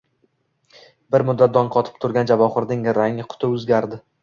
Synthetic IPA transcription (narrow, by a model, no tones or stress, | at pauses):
bɪɾmʊd̪ːat̪̚d̪ɒnqʰɒt̪ʰɪ̥p̚t̪ʰʊɾɡʲand͡ʒavɒχɨɾd̪ɪŋɾaŋɪqʰʊ̥t̪ʰɪɵzɡʲaɾd̪ɪ